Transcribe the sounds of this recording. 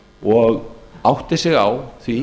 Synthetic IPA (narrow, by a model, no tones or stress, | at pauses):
ɔɣawht̪ɪsɪɣawθvi